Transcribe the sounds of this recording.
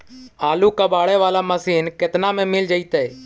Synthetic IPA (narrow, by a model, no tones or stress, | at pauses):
aːlukabaːɽeʋaːlaːməsiːnkɪt̪namẽmɪld͡ʒəit̪ɛ